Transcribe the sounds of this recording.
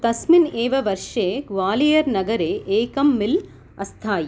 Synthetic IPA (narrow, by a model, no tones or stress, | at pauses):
t̪ɐsmɪneːʋɐʋɐɾʂeːʋaːlijɐɾnɐɡɐɾeːʔeːkɐmːɪl | ɐst̪ʰaːji